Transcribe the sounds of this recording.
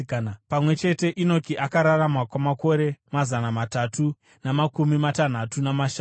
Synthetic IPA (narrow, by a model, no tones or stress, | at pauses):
pamwe̞t͡ʃe̞te̞ʔino̞kiʔakaɾaramwakwamako̞ɾe̞mazanamatatu | namakumimatan̤atunamaʃa